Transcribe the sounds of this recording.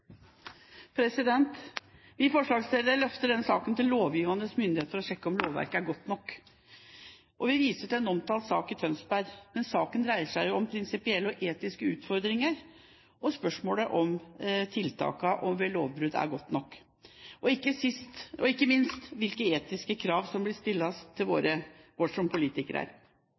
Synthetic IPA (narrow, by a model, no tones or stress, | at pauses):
pʰɾɛsɪd̪ɛnt̪ | ʋɪfɔʂɭɑːɡsleːd̪əɾəɭœft̪əɖɛnːəsɑ̰ːkənt̪ɪlːoːʋjiːʋɑnəsmʏnd̪ɪheːt̪fɔɾɔɕɛkːəɔmloːʋæ̰ɾkəæɾɡɔt̪ːnɔkː | ʔɔʋɪʋiːsəʈ̪ʰɪlɛnɔmt̪ʰɑːlt̪sɑːkɪt̪ʰœnsbæɾmɛnsɑːkənd̪ɾæɪəʂæɪjʊɔmpʰɾɪnsɪpɪɛlːɔʔeːt̪ɪskəʉːt̪fɔɾd̪ɾɪŋəɾ | ʔɔspœʂmoːləʔɔmt̪ʰɪlt̪ʰɑ̰ːkɑʔɔmʋɛloːʋbɾʉd̪æ̰ɾɡɔt̪ːnɔkː | ɔɪkːəsɪst̪ʔɔɪkːəmɪnst̪ʋɪlkəeːt̪ɪskəkʰɾɑːʋsɔmblɪst̪ɪlːɑt̪ʰɪlʋo̰ːɾəʋɔʂɔmpʰʊliːt̪ɪkəɾəæ̰ɾ